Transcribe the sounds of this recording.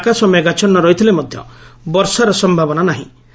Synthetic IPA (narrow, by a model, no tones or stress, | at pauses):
kasɔmeɡat͡ʃɔnːɔɾɔɦit̪ʰilemɔd̪ʱjɔ̰bɔɾsaɾɔsɔmbʱabɔnanaɦḭ̃